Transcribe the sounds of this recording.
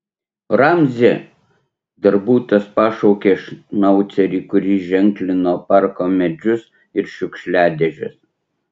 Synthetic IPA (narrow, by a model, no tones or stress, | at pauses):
ɾɑmʲzʲɪ | d̪ɐɾbuːt̪ɐspɑːʃɔʊkʲeʃnɐʊt̪sʲɛɾʲiːkʊɾʲiːʒʲɛŋʲklʲɪnoːpɑˑɾkoːmʲɛd͡ʒʲʊs | ɪɾʃʲʊkʃʲlʲæːd̪ʲɛʒʲʊ̰s